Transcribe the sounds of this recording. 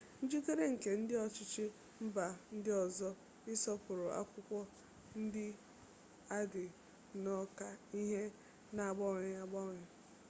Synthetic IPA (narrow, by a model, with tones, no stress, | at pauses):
n̩˦d͡ʒi˦ke˦ɾe˦ŋ̩˨ke˨n̩˦dɪ˦ɔ˨t͡ʃɪ˦t͡ʃɪ˦ | m̩˦ba˨n̩˦dɪ˦ɔ˨zɔ˦ | ɪ˦sɔ˦pʊ˨ɾʊ˨ʔa̰˦kʷʊ˦kʷɔ˦ | n̩˦dɪ˦ | a˦dɪ˨ | nɔ˦ka˨i˦ɦe˦ | na˨ɡ͡bɔ˦ŋe˨˦a˦ɡ͡bɔ˦ŋe˨